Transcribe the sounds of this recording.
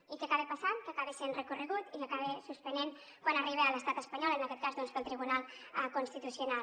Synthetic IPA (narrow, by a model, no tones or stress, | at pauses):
ikəakaβepasankakaβisenrəkurəɣut̪ikakaβesuspənen | kwanəriβeələst̪at̪əspəɲɔlənɐkɛt̪kazðɔnspəlˠt̪ɾiβunalˠ | əkunst̪it̪usjuna